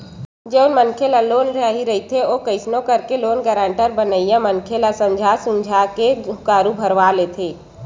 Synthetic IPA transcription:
d͡ʒeːʊnmənkʰelaloːnɾəɦiɾəɦit̪ʰeoːkəɪsnõkəɾkeloːnɡɛːɾãːɳʈəɾbənəijamənkʰelasəmd͡ʒʱasʊmd͡ʒʱakekaːɾubʱəɾʋaleːt̪ʰeː

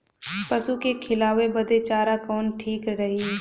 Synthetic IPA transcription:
pɐsukekʰɪlaːwebɐd̪et͡ʃaːɾakɔːnʈʰiːkɾɐɦi

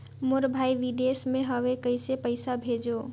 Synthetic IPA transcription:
moɾbʱaiʋid̪esmeɦəʋekəɪsepəɪsabʱed͡ʒo

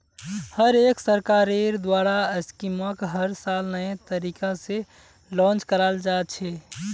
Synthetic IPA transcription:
həɾeksəɾkaɾeɾd̪waɾaəskiməkɦəɾsalnəjẽt̪əɾikãse | lɔ̃nt͡ʃkəɾald͡ʒat̪̚t͡ʃʰɛ

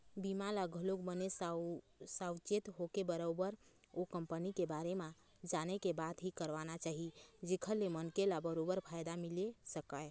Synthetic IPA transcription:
bimalaɡʱəlokbənes | sawt͡ʃet̪ɦokebəɾobəɾ | okəmpənikebaɾema | d͡ʒanekebad̪ɦikəɾʋanat͡ʃaɦid͡ʒekʰəlːemənkelabəɾobəɾpʰajd̪amilesəkae

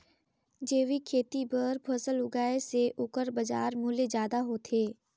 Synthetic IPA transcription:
d͡ʒeːʋikʰeːt̪ibəɾbʱɐsəlʊɡaːeseʔʊkəɾbɐd͡ʒa̰ːɾmʊled͡ʒjaːd̪aɦot̪ʰeː

